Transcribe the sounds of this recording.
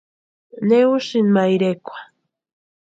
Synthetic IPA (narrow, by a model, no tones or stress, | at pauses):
neuʃinmajɾekʷḁ